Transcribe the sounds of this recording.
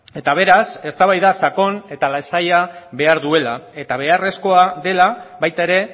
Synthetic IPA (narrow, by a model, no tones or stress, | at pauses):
e̞t̪aβ̞e̞ɾase̞st̪aβajðasako̞ne̞t̪alasajaβe̞aɾðue̞lae̞t̪aβ̞e̞are̞sko̞aðe̞laβajt̪aeɾe̞